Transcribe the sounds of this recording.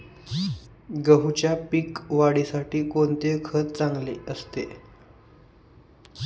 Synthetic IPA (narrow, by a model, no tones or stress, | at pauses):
ɡəɦt͡ɕjapiːkʋaɽisaʈiːkont̪ekʰət̪̚t͡sãŋɡleəst̪ḛ